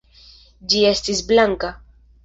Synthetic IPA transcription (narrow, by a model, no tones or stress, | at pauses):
d͡ʒiest̪isblaŋka